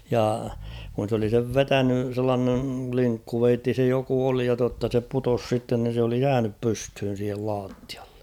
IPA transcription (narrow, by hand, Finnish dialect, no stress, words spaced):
jɑ kun̞ s oli seʋ ʋetæny selːɑːneŋ kliŋkːuʋeitːi se joku oli jɑ totːɑ se putos sitːen ni se oli jæːnyp pysthyn̞ siːhel lɑːtːi̥ɑ̥e̥